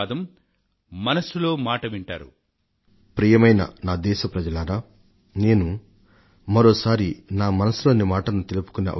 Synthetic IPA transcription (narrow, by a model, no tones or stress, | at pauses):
d̪ɐmː | ɐnɐsuloːmaːʈɐʋiɳʈa̰ːɾṵ | pɾiːjɐmɐjnɐ̰naːd̪ɛːʃɐpɾɐd͡ʒɐlaːɾaː | ne̞ːnu | mɐɾoːsaːɾinaːmɐnɐsuloːnːimaːʈɐnut̪elupu̥kunɐ̰ʔɐ̰